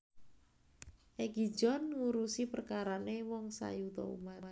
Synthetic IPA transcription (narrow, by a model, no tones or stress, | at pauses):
ʔeɡi̥d͡ʒɔnŋuɾusipərkaɾanewɔŋsa̰jut̪ɔ̰ṵma